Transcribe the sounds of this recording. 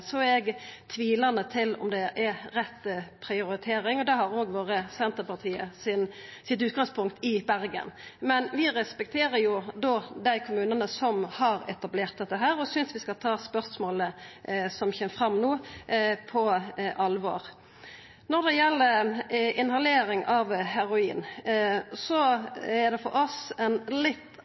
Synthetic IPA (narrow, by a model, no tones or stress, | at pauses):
sɔɛɡt̪ʰʋiːlɑnət̪ʰɪlɔ̰md̪ɛʔɛɾɛt̪ːpʰɾɪʊɾɪt̪ʰeːɾɪŋɔd̪ɛhɑɾoːɡʋoːʁəsɛnt̪əɾpɑʁt̪ʰiːə̰sɪnsɪt̪ʉːt̪̚ɡɑŋspʰʊŋkt̪ɪbæɾɡə̰nmɛnʋɪʁɛspɛk̚t̪ʰeːɾəɾjʊd̪oːd̪æɪkʰʊmʉːnənəsɔmhɑɾɛ̰t̪ɑbleːʁt̪̚d̪ɛt̪ːəɦæːɾɔsʏnsʋɪskɑlt̪ʰɑːspœʁsmoːləsɔmçɛməfʁɑmːnuːpʰɔʔɑlʋo̰ːɾ | nɔɾd̪ɛjɛlːəɾɪnhɑleːɾɪŋɑʋhæɾʊiːn | sɔæɾd̪ɛfɔ̰ɾʔɔsɛnlɪt̪ː